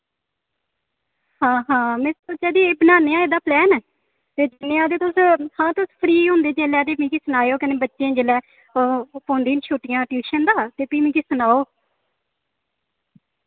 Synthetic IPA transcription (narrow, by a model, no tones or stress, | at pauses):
hãːɦãːmɪst͡ʃɛːd̪iːeːbənaːneːaːeːd̪aːplɛːn | t̪eːd͡ʒnẽːaːd̪eːt̪ʊshãːt̪ʊspʰɾiːɦʊ̃nd̪eːd͡ʒeːlɛːd̪eːpĩːkisənaːjoːkənẽːbətːʃẽːd͡ʒelɛː | põːnd̪iːnʃʰuːʈɪjãːʈjuːʃənd̪aːt̪eːpiːmĩːkɪsənaːoː